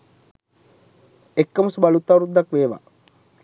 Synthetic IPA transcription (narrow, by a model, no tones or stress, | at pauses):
ekːəmusubalut̪ːawɾud̪ːakʋeːʋa̰